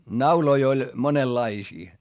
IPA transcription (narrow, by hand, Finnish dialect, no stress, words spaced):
nɑuloi olʲ monelːɑisiː